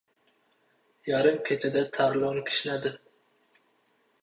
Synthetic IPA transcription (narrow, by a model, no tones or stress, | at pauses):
jɑɾɨmkʲʰet͡ʃʰɛd̪ɛt̪ʰæɾlˠoŋkʲʰi̥ʃnæd̪ɪ